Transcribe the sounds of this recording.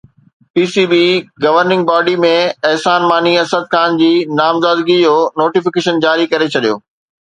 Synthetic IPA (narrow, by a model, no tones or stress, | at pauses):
piːsibiːɡɐʋəɾnɪ̃ŋɡbaːɖimẽɐɦsaːnmaːniɐsəd̪̚kʰaːnd͡ʑiːnaːmzaːd̪ɡid͡ʑoːnoːʈifɪkeːʃənd͡ʑaːɾikɐɾet͡ɕʰɐɗijo̰ː